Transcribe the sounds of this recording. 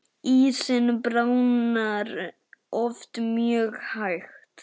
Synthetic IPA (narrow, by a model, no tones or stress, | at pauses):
iːsɪnbɾawnaɾ | ɔft̪mjœːɣhajxt̪